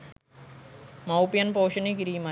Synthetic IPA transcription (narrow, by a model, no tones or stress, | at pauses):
mɐwpijɐnpoːʂɐnekiɾiːma